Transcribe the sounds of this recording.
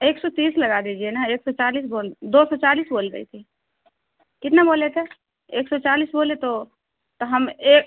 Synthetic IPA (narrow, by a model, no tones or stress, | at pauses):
eksɔt̪isləɡad̪id͡ʒienaeksɔt͡ʃalisbold̪osɔt͡ʃalisbolɡə̰it̪ʰi | kɪt̪nabolet̪ʰɛ | eksɔt͡ʃalisbolet̪o | t̪ɔɦəmek